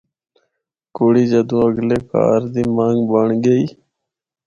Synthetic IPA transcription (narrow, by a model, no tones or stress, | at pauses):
koɽiːd͡ʑəd̪ũːəɡleka̰ːɾd̪imaːŋɡbəɳɡeiː